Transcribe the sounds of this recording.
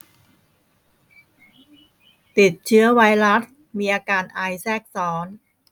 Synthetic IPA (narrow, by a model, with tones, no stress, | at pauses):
t̪i˨˩t̪̚t͡ɕʰɯ˦˥ɐwa˧˥jɾa˦˥s | miː˧ʔaː˧kaː˧nʔa˧jsɛː˥˩k̚sɔː˦˥n